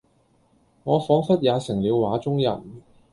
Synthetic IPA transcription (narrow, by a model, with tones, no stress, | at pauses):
ŋɔː˨˧fɔː˨˥ŋfɐ˥t̚jaː˨˧sɪ˨˩ŋliː˨˧wwaː˨˥t͡sʊ˥ŋjɐ̰˨n